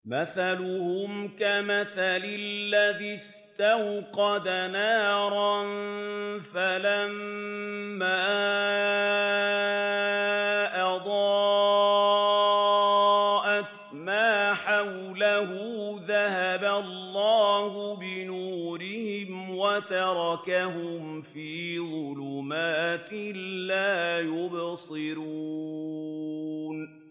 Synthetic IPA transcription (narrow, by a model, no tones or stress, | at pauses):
maθalʊhʊmkamaθalɪlːaðis | t̪awqɑd̪anaːɾˤɑn | falammː | aː | ʔɑd̪ˤɑː | ʔa | maːħaw | laɦʊðahabalːɑːhʊbɪnuːɾɪhɪmwat̪ɑɾˤɑkaɦʊmfiːðˤʊlʊmaːt̪ɪlaːjʊbsˤɨɾu | n